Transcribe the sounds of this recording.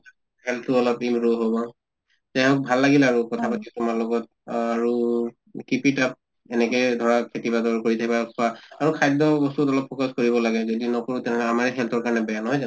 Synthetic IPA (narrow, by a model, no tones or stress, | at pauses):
a | hɛltʰuɔlɔpimɹuɦobɔ | zaɔk̚bʱalːaɡilɛaɹukɔtʰapatitʊmaɹlɔɡɔt̚ | aɹu | kipitap̚ | ɛnɛkɛjdʱɔɹakʰetibadɔkoɹitʰakʰibakʰɔaaɹukʰajdɔbɔstutɔlɔpʰːɔkɔskoɹibɔlaɡɛzodinɔkɔɹutɛnɛamaɹiɦɛltʰɔɹkaɹɔnɛbɛjanɔɦɔjza